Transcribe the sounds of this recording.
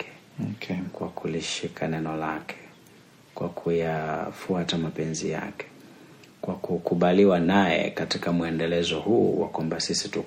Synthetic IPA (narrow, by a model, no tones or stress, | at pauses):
ɛ̥ | kwakʰuliʃikʰanɛnɔlakʰɛ̥ | kwa̰kʰujafuatamapɛnzḭja̰kɛ̥ | kwakukuɓaliwanajɛ̰katikamuɛndɛlɛzɔhuːwa̰kwambasisitu